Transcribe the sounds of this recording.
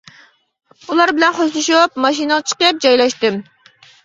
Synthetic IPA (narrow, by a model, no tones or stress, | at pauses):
ulˠɑɾbɪlɛnχoʃlˠuʃup̚mɑʃ̬inəʁət͡ʃʰə̥qəp̚d͡ʒɑjlˠɑʃt̪ɪm